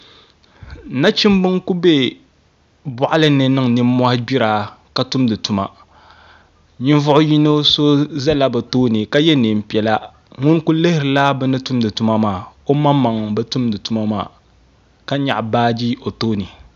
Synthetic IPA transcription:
na˦t͡ʃi˦m˦bɨ˦ŋku˦be˦ | bʊ˨ʔa˦lɨ˦nɨ˨nɨ˦ŋ˨nɨ˦m˦mːɔ˦hɪ˦bi˦ɾaː˨ka˦tu˦mdɨ˨tu˨ma̰˨ | ɲɪ˦n˦vʊ˦ʔʊ˦ji˦no˦so˦za˦la˦bɛ˨toː˦nɨ˨ka˦jɛ˦neː˨m̩˨pɛ˨la˦ | ŋʊ˦nku˦lɨ˦hɪ˦ɾɨ˨la˦bɨ˦nɨ˦tu˦mdɨ˨tu˦ma˦maː˨o˦ma˦mːa˨ŋ˨bɛ˦tu˦mdɨ˨tu˦ma˦ma̰ː˦˨ | ka˦ɲa̰˨ʔbaː˦d͡ʒi˦o˨toː˦nɨ˨

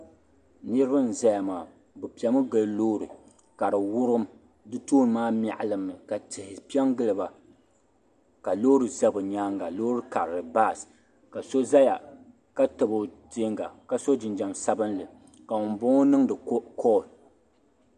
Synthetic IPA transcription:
nɨ˦ɾɨ˦bɨ˦n̩˨za˦ja˨maː˨ | bɨ˨pi˨ɛ˨˦mɨ˦ɡɨ˦lloː˦ɾɨ˨ | ka˨ɾɨ˨wʊ˦ɾɨ˦m | dɨ˦toː˦n˨maː˦m˦a̰˨ʔlɨ˦mːɨ˨ka˨tɨ˨hɪ˨pi˦ɛ˦mɡɨ˦lɨ˨ba˨ | ka˨lo˦ɾɨ˨za˦bɨ˨ɲaː˦ŋɡa˨lo˦ɾɨ˦ka˨ɾɾɨ˨ba˦˨s | ka˨so˦za˦ja̰˨ | ka˦tɨ˨bo˨tɪ˦ŋɡa̰˨ka˨so˦d͡ʒɪ˨nd͡ʒa˨msa˦bɨ˦nlɨ˨ | ka˨ŋʊ˨m˨bo˦ŋo˦nɨ˦ŋdɨ˨˦kɔ˦˨

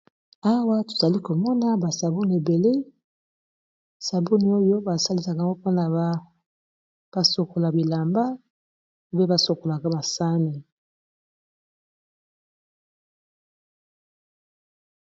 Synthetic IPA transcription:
a˦wa˦to̥˨za˨li˦ko˨mɔ˦na˦ba˨sa˨bo˦ni˨e˨be˨le˦ | sa˨bo˦ni˨o˦jo˦ba˨sa˦li˦sa˨ka˨ŋɡo˦po˦na˨ba˦ | b̥a˨so˨ko˨la˨bi˨la˨mba˦˨ | be˦ba˨so˨ko˨la˨ka˦ba˨sa˦ne˨

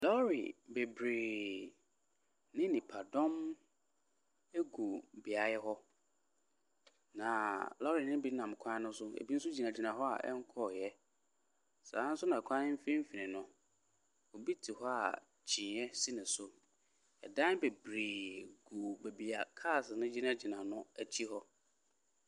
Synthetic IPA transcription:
lɔ˦ɾḭ˨be˨bɾeː˨ | nɪ̃˦nɪ̃˨pʰa˨dɔ̃˦m | e˦ɡu˨bi˨a˨jɛ˦ɦɔ˦ | nã˨lɔ˦ɾi˨nɪ̃˦bi˦nã˨m˨kʷʰã˦nʊ̃˦sʊ˦ḛ˨bi˦n̩˦sʊ˦d͡ʑi˨nã˨d͡ʑi˨nã˨ɦɔ˦a̰˨ʔɛ̰˦ŋ˦kʰɔ˦˨jɛ˦ | sa̰ː˨˦n̩˦sʊ˦nã˨kʷʰã˦ɪ̃˦m̩˦fẽ˦m̩˦fi˨nɪ̃˨nʊ̃˨ | ɔ˨bi˦tʰi˨hɔ˦a̰˨ | t͡ɕʰĩ˨˦ɛ˦si˦nɪ̃˨sʊ˦ | ɛ̰˨dã˦be˨bɾiː˨ɡu˨be˨bi˨a˨kʰa˦˨snʊ̃˦d͡ʑi˦nã˦d͡ʑi˨nã˨nʊ̃˦æ˨t͡ɕʰi˦ɦɔ˦

